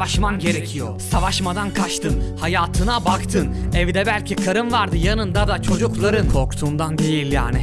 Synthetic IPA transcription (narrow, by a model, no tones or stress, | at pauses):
aʃmanɟe̞ɾecʰijo̰savaʃmad̪ankʰat͡ʃt̪ʰɯnhajaːt̪ʰɯnabakt̪ʰɯnɛvd̪ɛbælʲcʰikʰaɾɯnvaɾd̪ɯjanɯnd̪ad̪at͡ʃʰo̞d͡ʒuklˠaɾɯnkʰo̞ɾkt̪ʰuːnd̪and̪e̞jilʲja̰ːnɪ